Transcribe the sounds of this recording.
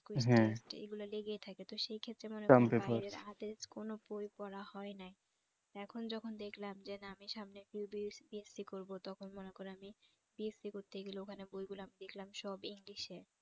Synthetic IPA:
kwiɦɛ̃sʈḛɡuloleɡet̪ʰaket̪oʃejkʰet̪ːɾemonekamt̪eopɾaɾeɾad̪eskonobojpɔɾahɔenaj | t̪ɛkʰond͡ʑɔkʰond̪ekʰlamd͡ʑenaamiʃamnefiubibiesikoɾbot̪ɔkʰonmonekoɾeami | biesikoɾt̪eɡilookʰanebojɡuloamid̪ekʰlamʃɔbiŋliʃeɾ

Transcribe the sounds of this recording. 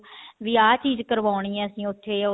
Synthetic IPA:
ʋiːaːt͡ʃiːzkəɾʋaːɳ̃iːãːəsĩːʊt̪ʰːeː

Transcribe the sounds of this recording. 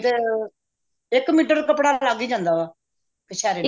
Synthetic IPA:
t̪e | ɪkːmiːʈ̬əɾkəpɽaːlaɡiːd͡ʒãːnd̪aːʋaː | kəʃʰɛːɾeː

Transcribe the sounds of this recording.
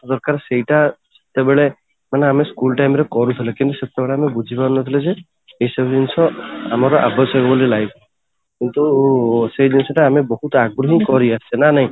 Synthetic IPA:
d̪ɔɾkaɾseiʈasɔ̥t̪ebeɭe | maneameskulʈajmɾekɔɾut̪ʰilekint̪usɔt̪ebeɭeamebud͡ʒʱipaɾnɔt̪ʰiled͡ʒeː | isɔbd͡ʒinsɔa̰maɾɔʔabɔsɔɡɔbɔlilajbʰ | kint̪usedinsɔʈaːmebɔɦut̪aɡɾuɦikɔɾiasʰenanaɦĩ

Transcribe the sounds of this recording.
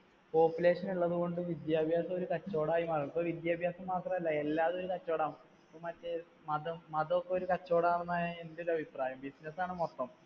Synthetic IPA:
po̞ːpːule̞ːʂɐnuɭːɐðuɣo̞ɳɖɨʋid̪jaːbʱjaːsɐmoɾukɐt͡ɕːo̞ːɽaːjimɐrpoʋid̪jaːbʱjaːsɐmːaːt̪rɐmɐlːɐe̞lːaːðo̞ɾukɐt͡ɕːo̞ːɽaːm | pomɐtːe | mɐðɐmmɐðɐokːeo̞ɾukɐt͡ɕːo̞ːɽanɾunːaːje̞ndeo̞ɾuɐbʱipraːjɐmbisnesaːɳɨmot̪ːɐm

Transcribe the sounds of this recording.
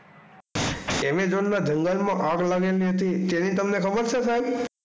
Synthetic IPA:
emed͡ʒoɳnad͡ʒʱəŋɡəlmãʔaɡlaɡeliɦət̪it̪enit̪əmnekʰəbəɾt͡ʃʰesab

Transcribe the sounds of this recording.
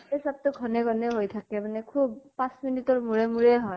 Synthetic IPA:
esab̚tʊɡʱɔnɛɡʱɔnɛɦojtʰakɛmanɛkʰub̚pãsminitɔɹmuɹɛmuɹɛɦɔ

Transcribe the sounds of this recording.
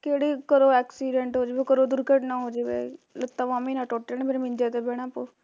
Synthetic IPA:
keːɽiːkəɾoːɛːksiːɖɛɳʈɦoːd͡ʒeːbeːkəɾoːd̪ʊɾkəʈnãːɦoːd͡ʒeːbḛːlət̪ːaːʋaːmĩːnãːʈoːʈːeneːbeːɾẽmɪ̃nd͡ʒeːt̪eːbɛːɽ̃ãːpoː

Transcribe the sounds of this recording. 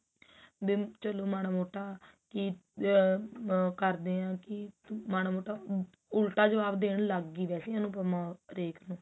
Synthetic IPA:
beːt͡ʃəloːmaːnaːmoːʈːaː | ki | kəɾd̪eːãːkɪmaːnaːmoːʈaː | ʊlʈaːd͡ʒəʋaːbd̪eːɽləɡːiːʋɛːseːaːnũːpəmãːɾeːkʰnũː

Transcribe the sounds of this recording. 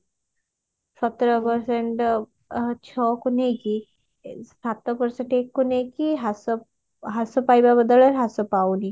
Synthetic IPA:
sɔt̪ɾɔpəɾseɳʈ | t͡ʃʰɔkʊneki | sat̪ːəpəɾsẽɳʈeːkːʊnekiɦas | ɦasopajbabəd̪ələɾɦasopawni

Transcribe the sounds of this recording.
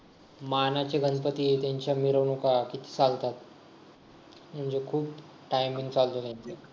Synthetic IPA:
manat͡ɕeɡənpət̪it̪jaɲt͡ɕjamiɾəʋnokakit̪ʰi̥ːt͡salt̪at̪̚ | m̤əɳd͡ʑekʰuːp | ʈajmĩŋɡt͡salt̪olaɲt͡se

